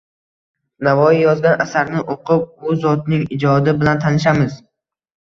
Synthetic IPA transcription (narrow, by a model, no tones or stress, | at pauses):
navɒjɪjɒzɡʲanasaɾnɪʔoqʰɨp̚bʊzɒt̪nɪŋɪd͡ʒɒd̪ɪbɪlant̪ʰanɪʃ̬amɪz